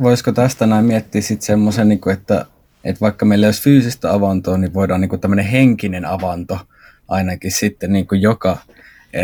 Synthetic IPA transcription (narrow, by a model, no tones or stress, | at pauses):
ʋoiskot̪æst̪ænæˑimmiæt̪ːiːssit̪semːosenniːkuet̪ːæ̰ | ʔḛt̪ʋɑikːɑmeilːæoˑsfyːsist̪æɑʋɑnt̪oːniʋʋoˑidɑːniːŋkut̪æmːøneheŋkinenɑʋɑnt̪o | ʔɑinɑkissit̪ːenniːŋkujjokɑ | e